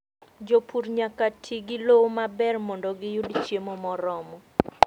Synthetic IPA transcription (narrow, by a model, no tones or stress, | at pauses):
d͡ʒopʰuɾɲakatʰiɡɪlowomabɛrmɔndɔɡɪjudt͡ʃjemɔmɔɾɔmɔ